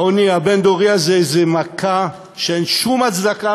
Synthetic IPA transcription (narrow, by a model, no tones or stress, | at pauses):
oniabend̪oʁiazezemakʰa | ʃeenʃumat͡sd̪aka